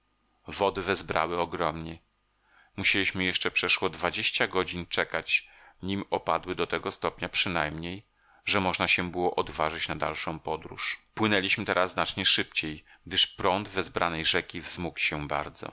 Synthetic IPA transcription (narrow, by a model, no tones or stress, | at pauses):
vɔd̪ɘvɛzbɾa̰wɘɔɡɾɔmɲɛ | muɕelʲiɕmɘjɛʂt͡ʂɛpʂɛʂwɔd̪vad͡ʑeɕt͡ɕaɡɔd͡ʑint͡ʂɛkat͡ɕ | ɲimɔpad̪wɘd̪ɔt̪ɛɡɔst̪ɔpɲapʂɘnajmɲej | ʐɛmɔʐnaɕɛbɘwɔʔɔd̪vaʐɘt͡ɕnad̪a̰lʂɔ̃w̃pɔd̪ɾṵʂpwɘnɛlʲiɕmɘt̪ɛɾazznat͡ʂɲɛʂɘpt͡ɕej | ɡ̥d̪ɘʂpɾɔnd̪vɛzbɾʔanɛjʐɛkʲivzmukɕɛba̰ɾd̪zɔ̰